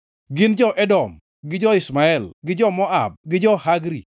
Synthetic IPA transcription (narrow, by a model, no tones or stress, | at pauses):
ɡɪnd͡ʒɔʔɛdɔm | ɡɪd͡ʒɔɪsmaɛlɡɪd͡ʒɔmɔab̚ɡɪd͡ʒɔhaɡɾḭ